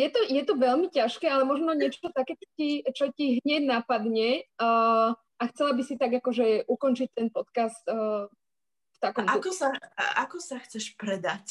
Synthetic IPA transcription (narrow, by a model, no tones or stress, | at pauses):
jɛt̪ɔjɛt̪ɔʋɛʎmicaʃkɛːalɛmɔʒnɔɲɪɛt͡ʃɔɔt̪akɛːt͡ʃɔ̥cit͡ʃɔciɦɲɛɟnapad̪ɲɛ | axt͡sɛlabisit̪aɡakɔʒɛʔukɔnt͡ʃic̚t̪ɛnpɔt̪kast̪ː | ft̪akɔmakɔsaa̰kɔsaxt͡sɛʃpɾɛd̪ac